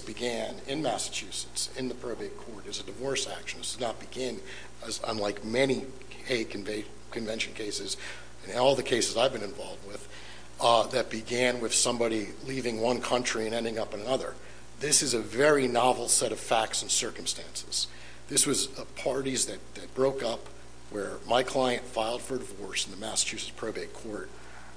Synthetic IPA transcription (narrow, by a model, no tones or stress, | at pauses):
b̥ɨɡæ̃nɪ̃nmæsɨ̥t͡ʃʰʉsɨ̥tsɨ̃nðɨpʰɹ̥oʊbiɨt̚kʰɔɹɾɨzɨdɨvɔɹsæ̰kʃn̩ɨszⁿnət̚b̥ɨɡɪ̃n | əzə̰̃nlaɪkmɛni | heɪkʰn | kʰɨ̃ɱvɛ̃nʃɨ̃n̩kʰeɪsɨz | ɨ̃nɔlˠðɨkʰeɪsɨzaɪvbɨ̃nɨ̃ɱvɑlˠvd̚wɪð | ðɨt̚b̥ɨɡæ̃nwɨð̥sʌ̃mbɑɾi | livɪ̃ŋwʌ̃nkʰʌ̃nt͡ʃɹ̥iɨ̃ñɛ̃ndɪ̃ŋʌpɨ̃nɨnʌðə̰˞ | ðɪsɨzɨvɛɹinɑvl̩ˠsɛɾʌv̥fæk̚tsn̩sɜ˞km̩stæ̃nsɨz̥ | ðɪswʌzpʰɑɹɾizðɨt̚ðɨt̚b̥ɹoʊkʌp | wə˞maɪkʰl̥aɪɨ̃ntfaɪlˠd̥fə˞dɨvɔɹsn̩ðɨmæsə̥t͡ʃʰʉsɨ̥z̥pʰɹ̥oʊbeɪt̚kʰɔɹt̚